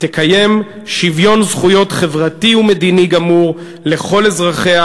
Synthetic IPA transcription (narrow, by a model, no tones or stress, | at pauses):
tekaje̞m | ʃivjo̞nzχujo̞t̪χe̞vʁatiume̞d̪iniɡamuʁ | le̞χo̞lezʁaχe̞a